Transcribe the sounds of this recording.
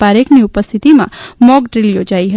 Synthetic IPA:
aɾekniupəst̪ʰit̪imã̰mɔɡɖɾiljod͡ʒaiɦə

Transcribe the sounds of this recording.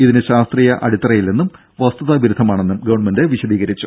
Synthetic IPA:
iðinɨɕaːst̪riːjɐʔɐɽit̪ːɐrɐjilnenːum | ʋɐst̪uðaːbʱiɾud̪ʱɐmaːɳe̞nːumɡɐʋɐɳmɐndeʋiɕɐðiːɣɐɾit͡ɕːu

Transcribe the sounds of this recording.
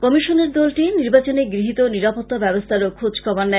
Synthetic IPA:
kɔmiʃoneɾd̪ɔlʈiniɾbat͡ɕoneɡɾiɦit̪oniɾapot̪ːabɛbost̪ʰaɾokʰod͡ʑkɔbanːɛ

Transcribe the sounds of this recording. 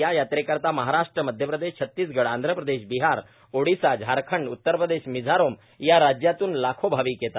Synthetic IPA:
jajat̪ɾekəɾt̪aməɦaɾaʂʈɾəməd̪ʱjəpɾəd̪eɕt͡ɕʰət̪ːiːsɡəɽand̪ʱɾəpɾəd̪eɕbiɦaɾ | oɽisad͡ʑɦaɾkʰəɳɖut̪ːəɾpɾəd̪eɕmid͡zʱaɾom | jaɾad͡ʑjat̪uːnlakʰobʱaʋikjet̪at̪

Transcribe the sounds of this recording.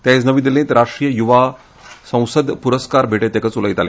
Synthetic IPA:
t̪jas̬nəʋid̪ilẽt̪ɾaʂʈɾijəjuʋa | sə̃w̃səd̪ʱpuɾəskaɾbʱeʈet̪ekət͡suləit̪ale

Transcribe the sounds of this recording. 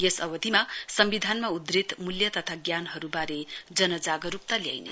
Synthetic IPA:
jesʌwʌd̪ʱimasʌmbid̪ʱanmaud̪rit̪muljʌt̪ʌt̪ʰaɡjanɦʌɾubaɾed͡zʌnʌd͡zaɡʌɾuk̚t̪alja̰jnḛ

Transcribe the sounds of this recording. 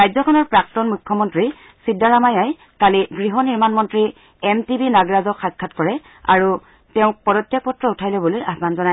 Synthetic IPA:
ajzɔkʰɔnɔɹpɹak̚tɔnmukʰːjɔmɔntɹi | sidːaɹamajaj | kaliɡɹiɦɔniɹmanmɔntɹi | ɛmtibinaɡɹazɔkxat̚kʰːatkɔɹɛ | a̰ɹu | tɛʊ̃k̚pɔdɔtjak̚pɔtɹɔutʰajlɛbulojʔasbanzɔna

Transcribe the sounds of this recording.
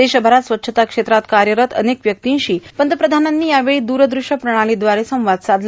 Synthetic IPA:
eɕəbʱəɾat̪sʋət̪ːɕʰət̪akʂet̪ɾat̪kaɾjəɾət̪ə̰nekʋjək̚t̪ĩɕiːpənt̪əpɾəd̪ʱananːiːjaʋeɭid̪uɾəd̪ɾuʂjəpɾəɽ̃aɭid̪ʋaɾesə̃w̃ʋad̪sad̪l

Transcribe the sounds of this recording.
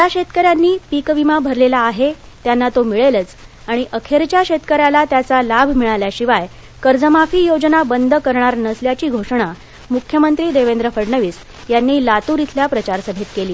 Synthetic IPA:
tjaɕet̪kəɾjanːiːpikəʋimabʱəɾlelaːɦe | t̪janːat̪omiɭelət͡s | aɽ̃iʔəkʰeɾt͡ɕjaɕet̪kəɾjalat̪jat͡salabʱmiɭaljaɕiʋaj | kəɾd͡zəmafiːjod͡znabənd̪əkəɾɳaɾnəsljat͡ɕiːɡʱoʂəɳ̃a | mukʰjəmənt̪ɾiːd̪eʋend̪ɾəfəɽɳəʋiːs | janːiːlat̪uɾit̪ʰljapɾət͡ɕaɾsəbʱet̪keliː

